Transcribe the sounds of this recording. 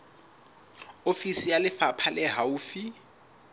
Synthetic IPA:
ofisijalɪfapʰalɛɦauːfi

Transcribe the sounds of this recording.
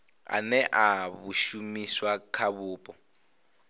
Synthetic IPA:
a̰nɛʔaβuʃumiswakʰaβuːpʼɔ

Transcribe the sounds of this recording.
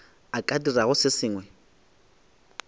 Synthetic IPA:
akʼadiraɣʊsɪsiːŋwɛ

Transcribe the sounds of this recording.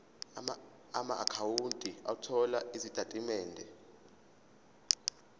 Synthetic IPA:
ama̰ʔakʰawuntʼiautʰɔlaizitʼatʼimɛːndʱɛ

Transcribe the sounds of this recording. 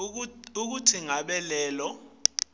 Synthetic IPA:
uk̬utʰiŋaɓɛlɛːlɔ

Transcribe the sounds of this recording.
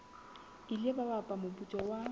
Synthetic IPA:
ilebabapʼamʊpʼut͡ʃʼɔwa

